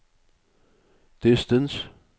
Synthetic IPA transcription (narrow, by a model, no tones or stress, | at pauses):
d̪̥ɪst̪ə̃ns